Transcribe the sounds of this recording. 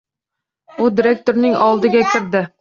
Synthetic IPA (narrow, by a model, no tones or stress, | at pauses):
ʊd̪iɾe̞k̚t̪oɾnɪŋɒlˠd̪ɪɡʲakʲʰɪɾd̪ɪ